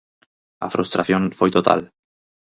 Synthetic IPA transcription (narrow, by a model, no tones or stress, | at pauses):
a̰fɾṵst̪ɾaθjõɱfojt̪ot̪a̰l